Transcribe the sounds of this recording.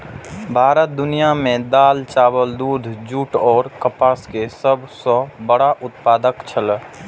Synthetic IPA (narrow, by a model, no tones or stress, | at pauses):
bʱaːɾət̪̚d̪ʊnijamẽd̪aːlt͡ʃaːbəld̪ud̪ʱd͡ʒuːʈɔːɾkəpaːskesəbʱsɔbəɽaʔʊt̪̚paːd̪əkt͡ʃʰəl